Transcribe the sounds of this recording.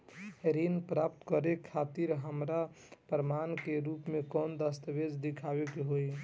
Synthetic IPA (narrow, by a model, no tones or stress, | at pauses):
ɾinpɾapt̪kəɾekʰːat̪iɾɦəmɾa | pɾəmankeɾupmekɔnd̪əst̪əbed͡ʒd̪ikʰabekeɦoj